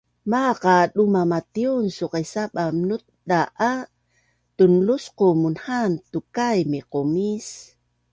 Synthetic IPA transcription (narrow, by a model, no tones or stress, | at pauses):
maqaɗumamat̪iunsuqajsaɓamnut̪̚daʔa | t̪unlusqomunhant̪ukajmiqomis